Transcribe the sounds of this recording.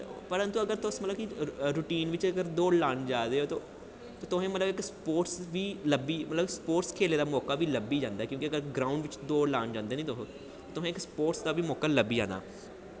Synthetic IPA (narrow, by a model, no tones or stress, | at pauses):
pəɾə̃nt̪uːəɡəɾt̪ʊsmət̪ləbkiɾuːʈiːnʋɪt͡ʃəɡəɾd̪oːɽlaːɳd͡ʒaːd̪eːɦoːt̪oː | t̪oːt̪ʊɦẽːmət̪ləbɪkspoːʈsʋiːləbiːmət̪ləbspoːʈskʰeːleːd̪aːmɔːkaːʋiːləbiːd͡ʒãːnd̪aːɛkjõːkiəɡəɾɡɾaːʊɳɖʋɪt͡ʃd̪oːlaːɳd͡ʒãːnd̪eːnĩːt̪ʊɦõː | t̪oːt̪ʊẽːɪkspoːʈsd̪aːʋiːmɔːkaːləbiːd͡ʒã̰ːna̰ː